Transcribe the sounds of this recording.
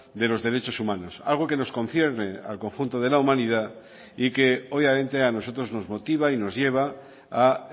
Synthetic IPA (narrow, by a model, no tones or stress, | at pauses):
d̪e̞lo̞zðe̞ɾe̞t͡ʃo̞sumanosa̰lɣ̞oke̞no̞skõ̞nθjeɾnea̰lko̞ŋxunt̪oð̞e̞laumãnið̞a | ikeoβjamẽ̞nt̪eano̞so̞t̪ɾo̞zno̞zmo̞t̪iβ̞aino̞zʝeβ̞a | a